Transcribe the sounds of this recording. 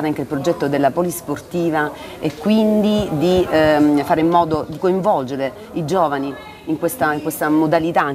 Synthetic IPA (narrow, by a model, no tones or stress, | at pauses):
ɾeaŋkeilpɾod͡ʒɛt̪ːod̪elːapɔlisport̪iːva | ekːwind̪id̪ifaːɾemːɔːd̪od̪ikoiɱvɔld͡ʒeɾe | id͡ʒoːvaniː | ŋkwest̪aiŋkwest̪amod̪alit̪a